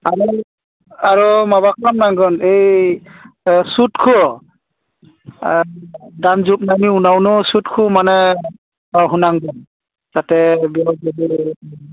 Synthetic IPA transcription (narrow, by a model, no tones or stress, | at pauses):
aɹu | aɹumabakʰɔmnaŋɡɔnej | sutkʰu | danzup̚najniunawnɔsutkʰumanɛ | aɦunaŋɡɔn | z̥atɛbiɔzɔdi